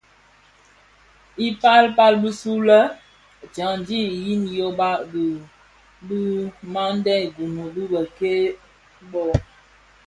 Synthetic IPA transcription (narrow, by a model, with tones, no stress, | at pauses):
i˦pa˦lpa˦lbi˦su˦lə˦˨ | d͡ʒa˨ŋdi˦˨ji˦njo˦ba˦b | bi˦ma˦n˦dɛ˦˨ɡu˨mə˨bi˦bə˨ke˦ | bɔ˦